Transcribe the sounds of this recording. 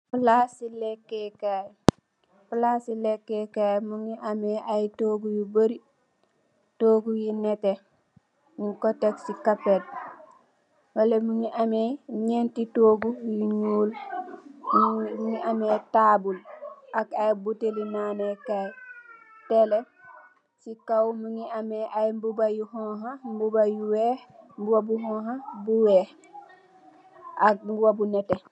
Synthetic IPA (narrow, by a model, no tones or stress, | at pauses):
pulasilekːekaj | pulasilekːekajmuŋiʔameajtoːɡujibəɾi | toːɡujinete | niŋkoteksikapet̚ | walemuŋiʔameɲentitoːɡujiɲuːl | muŋiʔametaːbulʔakajbutelinaːnajkaj | tele | sikawmuŋiameʔajmbubajuhɔ̃ɦambubajuweːhmbuwabuɦɔ̃ːɦabuwɛːh | ʔak̚ɡuwabunɛte